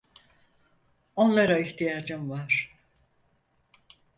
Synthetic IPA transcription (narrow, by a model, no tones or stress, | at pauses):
o̞nlˠaɾaiçt̪ʰijaːd͡ʒɯmvaɾ̥